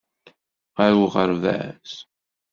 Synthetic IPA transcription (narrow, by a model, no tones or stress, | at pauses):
ʁaɾuʁəɾvæ̰s